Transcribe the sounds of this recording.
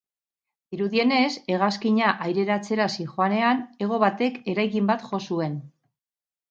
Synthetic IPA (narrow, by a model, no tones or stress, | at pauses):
iɾuðie̞ne̞se̞ɣ̞askiɲaʔajɾe̞ɾat͡se̞ɾasixoane̞ane̞ɣ̞o̞β̞at̪e̞ke̞ɾajkimbat̪χo̞sue̞n